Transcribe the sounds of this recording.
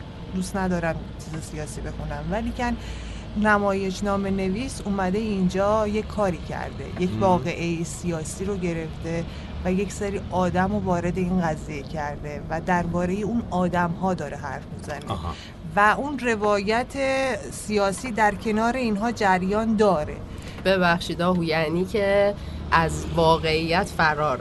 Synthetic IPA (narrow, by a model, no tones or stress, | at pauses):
d̪ust̪næd̪ɒːɾæm | t͡ʃʰiːzesijɒːsiːbe̞xunæmvæliːcʰænː | æmɒːje̞ʃnɒːme̞ne̞viːsumæd̪e̞ind͡ʒɒːjekʰːɒːɾiːcʰæ̰ɾd̪e̞̰jecʰvɒːɣe̞ʔejesijɒːsiːɾoɟe̞ɾe̞ft̪e̞ | væjecseɾiːʔɒːd̪æmovɒːɾe̞d̪e̞inɡæzijecʰæɾd̪e̞væd̪æɾbɒːɾe̞jeunɒːd̪æmɦɒːd̪ɒːɾe̞ɦæɾfmizænḛ | væunre̞vɒːjæt̪ʰe | sijɒːsiːd̪æɾcʰe̞nɒːɾe̞inɦɒːd͡ʒæɾjɒːnd̪ɒːɾe̞̰ | b̥ebæxʃiːd̪ɒːhujæniːcʰe | ʔæzvɒːɣeijːæt̪fæɾɒːɾ